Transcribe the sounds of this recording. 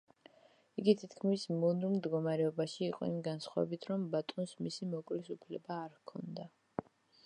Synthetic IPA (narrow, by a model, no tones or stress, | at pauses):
iɡit̪ʰit̪ʰkʰmismunuɾmd̪ɡɔmaɾɛɔbaʃiːqʼɔ̰imɡansχwavɛ̰bit̪ʰɾɔmbat̪ʼɔnsmisimɔkʼlisupʰlɛbaːɾkʰɔnd̪a